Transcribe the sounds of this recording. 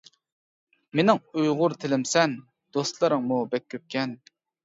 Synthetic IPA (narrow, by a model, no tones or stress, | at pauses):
menɪŋujʁʊɾt̪ʰɪlɪmsɛn | d̪̥ost̪lˠɑɾəŋmubɛkʲʰːøp̚kʲʰɛn